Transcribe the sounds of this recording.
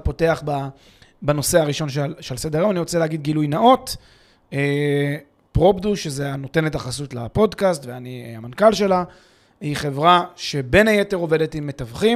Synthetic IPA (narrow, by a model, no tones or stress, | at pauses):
po̞te̞aχba | bano̞se̞aʁiʃo̞nʃalʃelsed̪eʁemaniʁot͡seleaɡid̚ɡilujnaʔo̞t | e | pʁo̞bduʃezeano̞te̞netaχasutlapo̞dkastveaniamankalʃe̞la | hiχe̞vʁaʃe̞be̞naje̞te̞ʁo̞ve̞de̞timːe̞tavχim